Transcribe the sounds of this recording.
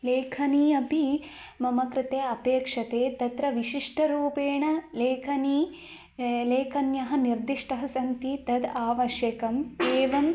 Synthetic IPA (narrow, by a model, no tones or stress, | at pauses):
leːkʰɐniːɐpi | mɐmɐkɾɪt̪eːɐpeːkʂɐt̪eːt̪ɐt̪ɾɐʋiʃiʂʈʰɐɾuːpeːɳɐleːkʰɐniː | leːkʰɐnjɐɦɐ̆niɾd̪iʂʈɐɦɐsɐnt̪it̪ɐd̪aːʋɐʃjɐkɐmeːʋɐm